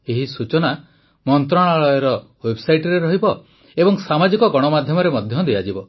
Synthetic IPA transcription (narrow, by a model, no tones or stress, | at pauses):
eɦisut͡ʃɔna | mɔnt̪ɾɔɽ̃aɭɔjɔɾɔ | websajʈɔɾeɾɔɦibɔ | ebɔŋsamad͡ʒikɔɡɔɽ̃ɔmad̪ʱjɔmɔɾemɔd̪ʱjɔd̪iad͡ʒibɔ